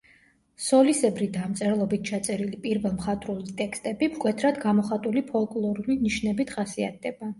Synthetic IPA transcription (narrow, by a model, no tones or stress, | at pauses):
sɔlisɛbɾid̪amt̪sʼɛɾɛlˠɔbit̪̚ʰt͡ʃʰat̪sʼɛɾilipʼiɾvɛlˠmχat̪ʼɾulit̪ʼɛkst̪ʼɛbipkʼwɛt̪ʰɾad̪ɡamɔχat̪ʼulipʰɔlˠkʼlˠɔɾuliniʃnɛbit̪ʰχasia̰t̪̚ʰd̪ɛba